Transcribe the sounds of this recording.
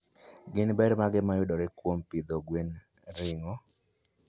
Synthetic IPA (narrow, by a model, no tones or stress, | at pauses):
ɡɪnbɛɾmaɡɛmajʊdɔɾɛkwompid̪ɔɡwen | ɾɪŋɔ